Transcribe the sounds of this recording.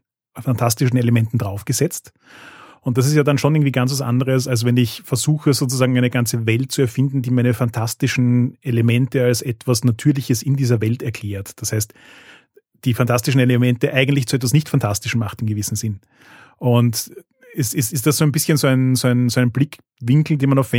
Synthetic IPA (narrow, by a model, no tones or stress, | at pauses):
fantʰastɪʃn̩elemɛntn̩dʁaʊfɡ̥əzɛt͡st | ʊnt̚d̥as̬ɪs̬tjaːdanʃonʔɪɐŋ̩tv̥iɡant͡s̬vasʔa̰ndəʁ̞əs̬als̬vɛnɪçfɛɐzuːxəzoːt͡suzaːɡŋ̩æɪnəɡant͡səvɛlt̚t͡suɛɐfɪndn̩diːmæɪnəfantʰastɪʃn̩elemɛntəalsɛtv̥asnatʰyːɐlɪçəsɪndiːzɐvɛltɛɐkʰl̥eːɐtd̥ashaɪst | d̥iːfantʰastɪʃn̩elemɛntəʔaɪɡəntlɪçt͡suɛtvasnɪçtfantʰastɪʃn̩maχtɪmɡəvɪsn̩zɪn | ʔʊnt | ɛsɪstɪstd̥asz̥oːæɪnbɪsçənzoːæɪnzoːæɪnzoːæɪnblɪk | vɪŋkl̩deːnmanaʊfvɛ